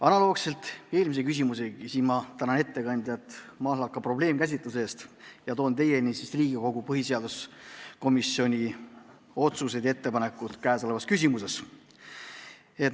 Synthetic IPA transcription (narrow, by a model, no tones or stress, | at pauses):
ɑnɑloːkse̞lt̪ˑe̞ːlmis̬e̞kys̬ʲimuseɡisiːmɑt̪ænɑne̞t̪ːe̞kɑnʲd̪̥ʲɑt̪ːmɑːlɑkːˑɑpro̞ble̞ːmkæs̬ʲit̪luse̞ːst̪jɑt̪o̞ːnt̪e̞je̞nisisriːɡiko̞ɡ̥upɤɦise̞ɑd̪̥usko̞misjo̞nʲi | o̞t̪suse̞d̪jɑe̞t̪ːe̞pɑne̞kːˑut̪kæːso̞levɑskys̬ʲimuse̞s | e̞t̪